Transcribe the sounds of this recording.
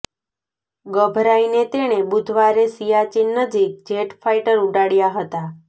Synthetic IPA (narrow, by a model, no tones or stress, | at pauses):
ɡəbʱɾainet̪eɽ̃ebud̪ʱʋaɾesijat͡ʃinːəd͡ʒik̚d͡ʒeʈfʰaiʈəɾuʈaɽjaɦət̪a